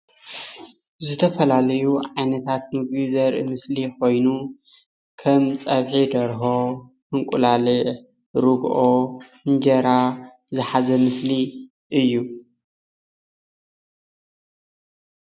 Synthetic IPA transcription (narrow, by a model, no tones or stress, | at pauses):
zɨt̪ʰɐfɐlalɐjuʕajnɐt̪ʰat̪mɨɡbizɐɾʔḭmɨsliko̞jnu | kʰɐmt͡sʼɐβħid̪ɐɾɦo | hɨŋkʼulalɨʔ | ɾuɡʔo | ɨnd͡ʒɐɾa | zɨħazɐmɨsli | ʔɨjːu